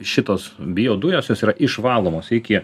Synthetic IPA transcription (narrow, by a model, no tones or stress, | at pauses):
ʃʲɪt̪oːsbʲɪjoːd̪ʊjoːsjoːsiːɾɐʔɪʃʋɑːlˠoːmoːsɪkʲɪ